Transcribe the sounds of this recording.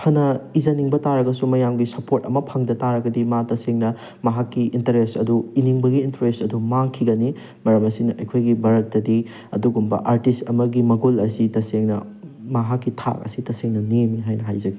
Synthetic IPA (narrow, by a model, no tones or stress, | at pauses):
hʰɐnɐizɐniŋbɐtaɾɐɡɐsumɐjamɡisɐpoɾtɐmɐpʰɐŋdɐtaɾɐɡɐdimatɐseŋnɐ | mɐɦakːiintɐɾestɐduiniŋbɐɡiːntɾestɐdumaŋkʰiɡɐni | mɐɾɐmɐsinɐʔɐ̰jkʰojɡibɐɾɐt̚ːɐdi | ɐ̰duɡumbɐ̰ʔaɾtistɐmɐɡimɐɡulɐsitɐseŋnɐ̰ | mɐɦakːitʰa̰k̚ɐ̰sitɐseŋnɐneniɦajnɐɦajzɐɡii